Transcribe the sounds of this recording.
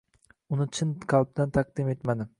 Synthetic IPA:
ʊnɪt͡ʃʰɪnkʰɑlˠp̚d̪ant̪ʰaq̚d̪ɪme̞t̪mad̪ɪ

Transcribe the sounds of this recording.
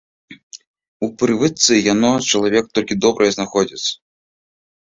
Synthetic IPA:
upɾɨvɨt̪sɨjanɔt͡ʃɐlˠavʲɛk̚t̪ɔlʲkʲid̪ɔbɾɐjɛznaxɔd͡zʲit̪sɐ̥

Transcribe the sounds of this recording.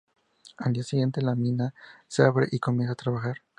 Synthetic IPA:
ald̪iasiɣje̞nt̪e̞lamĩnaseaβɾḛʔiko̞mje̞ns̬at̪ɾaβaxaɾ

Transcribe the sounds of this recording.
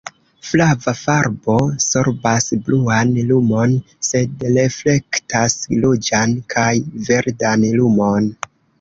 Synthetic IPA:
flavafaɾbo̞so̞ɾbasbluanlumo̞n | se̞dɾe̞fle̞ktaslod͡ʒankʰajve̞ɾdanlumo̞n

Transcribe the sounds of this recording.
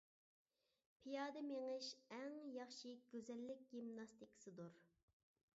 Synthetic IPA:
pʰijɑːd̪ɨmeŋɨʃɛŋjɑχʃiɡ̥ʲøzɛlːɪk̚ʲɡ̥ʲimnɑst̪ʰikʰɪ̥sɨd̪uɾ

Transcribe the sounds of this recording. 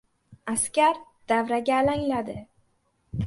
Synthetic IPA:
askʲaɾd̪̥avɾaɡʲalaŋlad̪ɪ

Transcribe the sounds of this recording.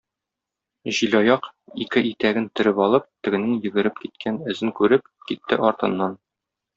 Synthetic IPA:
ʑilɒjɑqikɘʔit̪æɡɘnt̪ɵ̆ɾɘpɒlˠɤp̚t̪ɘ̆ɡɘ̆nɘŋjɘ̆ɡɘ̆ɾɘpkit̪̚kʰænɵ̆zɘŋkʉɾɘp̚ | kit̪ːɘʔɒɾt̪ɤ̆nːɑn

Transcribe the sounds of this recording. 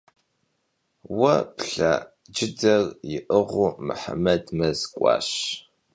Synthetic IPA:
wɐpɬa̰ | d͡ʒɪdɐrjɪʔəʁʷʊmɨ̰ħa̰mɐdmɐzkʷʼɑ̰ːɕ

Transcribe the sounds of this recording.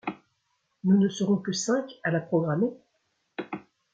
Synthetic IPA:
nunəsəʁɔ̃kəsɛ̃kalapχɔɡʁame

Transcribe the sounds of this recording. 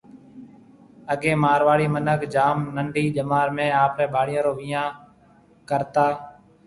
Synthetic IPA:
əɠẽːmaːɾʋaːɽiːmənəkd͡ʒaːmnəɳɖiːd͡ʒəmaːɾmẽːaːpɾɛ̃ːbʱaːɽɪjõːɾoːʋiːjãː | kəɾt̪aː

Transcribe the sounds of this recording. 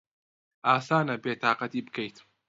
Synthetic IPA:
ʔaːsaːnɐbeːt̪aːqɑt̪iːbɨkɐjt̪

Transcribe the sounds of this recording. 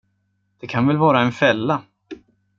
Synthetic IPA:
d̪̥ɛkʰanvɛlvɑːɾaɛnfɛlːa

